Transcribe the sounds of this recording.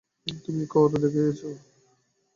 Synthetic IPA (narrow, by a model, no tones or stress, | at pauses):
t̪umikɔt̪ed̪ekʰejet͡ɕʰo